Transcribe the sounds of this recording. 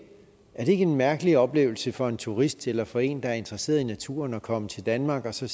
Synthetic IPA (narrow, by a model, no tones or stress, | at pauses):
æɐɾ̥e̝e̝ɡ̥əe̝nmæɐɡ̥əliɒ̽b̥le̝̰ːʊl̩səfɒ̽e̝nt͡sʰuʁisd̥elɐfɒ̽e̝̰ːnd̥ɑ̈æɐe̝nd̥ʁɐse̝̰ɐðˠinæt͡sʰṵːɐnɒ̽kʰɒ̽mət͡sʰe̝ld̥ænmɑ̈ːɡ̥ɒ̽sɒ̽